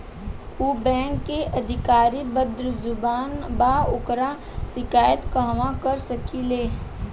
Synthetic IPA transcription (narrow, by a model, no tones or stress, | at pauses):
uːbɛ̃ːŋkːeʔɐd̪ʱɪkaːɾibəd̪ɾzʊbaːnbaʊkɾa | ʃɪkaːjət̪kəɦʋãkəɾsəkileː